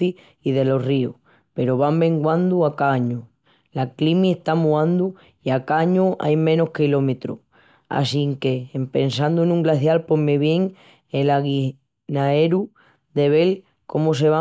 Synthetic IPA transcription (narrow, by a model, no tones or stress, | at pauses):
i | iðe̞lo̞rio | pe̞ɾoβambe̞ŋɡwand̪uakaɲu | laklimiest̪amuãnd̪u | iakaɲuʔa̰jmẽ̞no̞hkilo̞met̪ɾṵ | a̰siŋke̞ːmpe̞nsand̪uenũŋɡlaθjalpomːe̞βje̞ŋ | elaɣi | nae̞ɾu | d̪e̞β̞e̞l | ko̞mos̬e̞βa